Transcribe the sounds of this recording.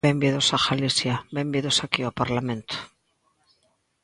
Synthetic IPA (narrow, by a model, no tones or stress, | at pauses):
embiðosaɣalisjabembiðosakiapaɾlamẽnt̪o̥